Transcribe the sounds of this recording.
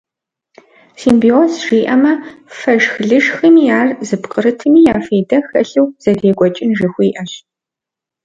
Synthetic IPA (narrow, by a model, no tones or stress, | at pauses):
siːmbioːsʒiːʔɐmɐfɐʒxɮɨʒxɨmiːjaːrzɨpqʼəɾɨtʰɨmiːjaːfeːdɐxɐ̰ɬɨwz̥ɐdeːɡʷɔt͡ʃʼɪnʒɨxʷʊiʔɐɕ